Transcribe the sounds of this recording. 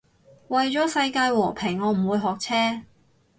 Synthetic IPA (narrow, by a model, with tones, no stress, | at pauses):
wɐ˨jt͡sɔː˨˥sɐ˧jkaː˧jwɔː˨˩pʰɪ˨˩ŋːɔː˨˧m̩˨˩wuː˨˧jɦɔː˨k̚t͡sʰɛː˥